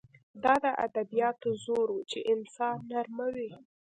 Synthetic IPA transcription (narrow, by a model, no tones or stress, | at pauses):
d̪ɑd̪əʔa̰d̪abijɑt̪zoɾut͡ʃeʔɪnsɑnːaɾmawi